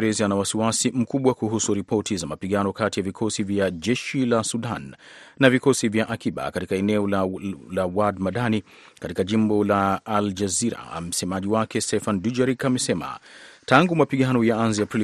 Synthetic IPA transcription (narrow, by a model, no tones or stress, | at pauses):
ɾɛzianawasiwasim̩kuɓwakuɦusuɾipɔtizamapiɠanɔkatijavikʰɔsivjaʄɛʃilasuɗan | navikɔsivjaʔakiɓa̰katikaɛnɛɔllawadmaɗani | katikaʄimbɔlaːld͡ʒaziɾa̰m̩sɛmaʄiwakɛstɛfandud͡ʒaɾikamɛsɛma̰taŋɡumapiɠanɔjaanziapɾi